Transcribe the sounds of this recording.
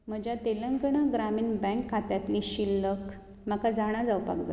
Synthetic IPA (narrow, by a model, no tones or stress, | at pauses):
m̤əd͡ʑjat̪eləŋɡɳaɡɾamiːɳbɛ̃ŋkʰːat̪jat̪liɕilːək | makad͡zaɽ̃ad͡zawpa̰kd͡za